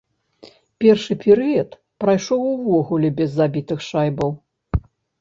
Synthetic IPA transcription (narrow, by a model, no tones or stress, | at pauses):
pʲɛrʂɨpʲɛɾɨjɐt̪ | pɾajʂɔwuvɔɣulʲɛbʲɛzːabʲit̪ɨxʂajbɐw